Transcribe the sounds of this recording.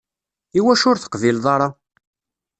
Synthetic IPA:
iwæʃʊɾθə̥qvilðˤɑɾˤɑ

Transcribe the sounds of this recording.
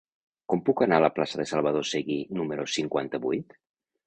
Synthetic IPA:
kɔmpukanaələplasəðesalˠβ̞əð̞oseɣinuməɾosiŋkwa̰nt̪əβujt̪

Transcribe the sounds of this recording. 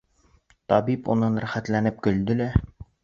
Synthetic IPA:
t̪ɒbipṵnɤnɾæχæt̪lænɘp̚kɵ̆ld̪ɘ̆læ

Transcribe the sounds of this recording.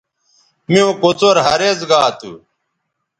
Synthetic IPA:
miũkot͡soɾɦɐɾezɡaːt̪ṵ

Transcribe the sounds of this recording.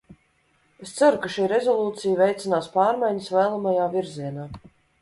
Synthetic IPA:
est̪saɾukaʃiːɾezɔlˠuːt̪sijvejt̪sʲinaːspaːɾmajɲəsvɛːlˠamajaːviɾziɛnaː

